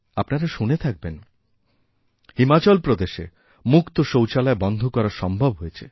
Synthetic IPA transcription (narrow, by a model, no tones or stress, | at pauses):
apnaɾaʃunet̪ʰak̚ben | himat͡ɕɔlpɾod̪eʃḛ | mukt̪oʃowt͡ɕalaebɔnd̪ʱokɔɾaɾʃɔmbʱobɦojet͡ɕʰe